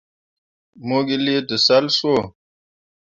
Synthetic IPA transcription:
mo˦ɡi˦li˦tɨ˨sa˦lso˦˨

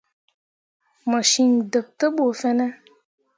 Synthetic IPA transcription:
mə˨ʃi˧ŋ˨də˨p̚tə˦ɓo˨fɛ˧nɛ˦

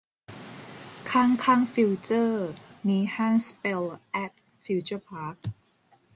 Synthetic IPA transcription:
kʰaː˥˩ŋkʰaː˥˩ŋfi˧wt͡ɕəː˥˩miː˧haː˥˩nspe˧lʔɛ˦˥t̪̚ | fi˧t͡ɕə˥˩pʰaː˦˥k̚

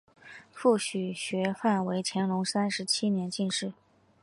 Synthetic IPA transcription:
fu˥˩ɕy˨˩ɕɥɛ˧˥fa˥˩nwe˧˥ɪt͡ɕʰjɛ˧˥nlʊ˧˥ŋsa˥nʂɻ̩˧˥t͡ɕʰi˥njɛ˧˥nt͡ɕi˥˧nʂɻ̩˥˩

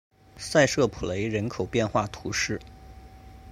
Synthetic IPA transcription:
sa˥˧ɪʂɤ˥˩pʰu˨˩le˧˥ɪɻə˧˥nkʰo˨˩ʊpjɛ˥˧nxwa˥˩t̪ʰu˧˥ʂɻ̩˥˩

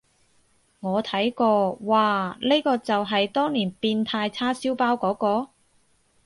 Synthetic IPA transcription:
ŋɔː˨˧t̪ʰɐ˨˥jkɔː˧waː˨le˥kɔː˧t͡sɐ˨wɦɐ˨jt̪ɔː˥ŋliː˨˩npiː˧nt̪ʰaː˧jt͡sʰaː˥siː˥wpaː˥wkɔː˨˥kɔː˧

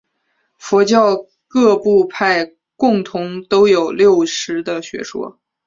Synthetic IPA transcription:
fɔ˧˥t͡ɕjɑ˥˧ʊ | kɤ˥˧pu˥˧pʰa˥˧ɪ | kʊ˥˩ŋt̪ʰʊ˧˥ŋt̪o˥ʊjo˨˩ʊljo˥˩ʊʂɻ̩˧˥d̪ə˧ɕɥɛ̰˧˥ʂwɔ̰˥

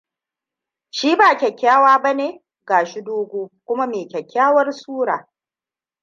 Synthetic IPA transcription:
ʃiː˦baː˨kʲɛ˨kʲːaː˦waː˦ba˦neː˨ | ɡaː˨ʃi˦doː˦ɡʷoː˦kʷʊ˦ma˦meː˨kʲɛ˨kʲːaː˦wɐ˦rsuː˦ɽaː˨

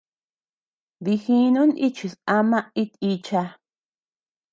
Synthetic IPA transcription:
βi˧xĩ˧˦nũ˦ni˦t͡ʃi˨sa˧mã˦i˦t̪i˧t͡ʃa˧

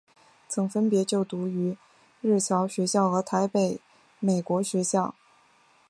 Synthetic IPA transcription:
t͡sʰɤ˧˥ŋfə˥npjɛ˧˥t͡ɕjo˥˩ʊt̪u˧˥y˧˥ | ɻɻ̩˥˩t͡ɕʰjɑ˧˥ʊɕɥɛ˧˥ɕjɑ˥˩ʊxɤ˧˥t̪ʰa˧˥ɪpe˨˩ɪ | me˨˩ɪkwɔ˧˥ɕɥɛ˧˥ɕjɑ˥˩ʊ

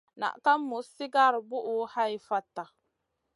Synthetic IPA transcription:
na̰˨ʔka˦mːʊ˨sɪ˦ɡa˦ɾbʊ˦ʔʊ˦ha˦i˦fa˦tːa˨

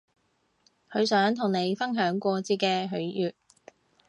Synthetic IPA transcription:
kʰɵ˨˧sœː˨˥ŋt̪ʰʊ˨˩ŋne˨˧jfɐ˥nɦœː˨˥ŋkʷɔː˧t͡siː˧kɛː˧ɦɵ˨˥ɥjyː˨t̚

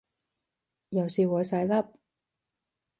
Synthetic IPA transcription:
jɐ˨˩wsiː˨˧wɔː˨˧jsɐ˨˥jlɐ˥p̚

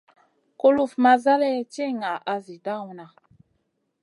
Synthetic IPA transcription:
ko˦lu˦˨fma˦za˦lɛ˦t͡ʃe˦˨ŋa˨ʔa˨zi˨da˦˨wu˨na˨

